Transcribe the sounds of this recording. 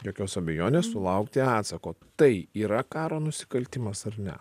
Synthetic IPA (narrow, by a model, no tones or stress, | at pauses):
joːkʲoːsɐbʲɛjoːnʲeːssʊlˠɐʊkt̪ʲɪɑːt̪sɐkoːt̪ɐɪiːɾɐkɑːɾoːnʊsʲɪ̥kɐlʲt̪ʲɪmɐsɐɾnʲɛ̰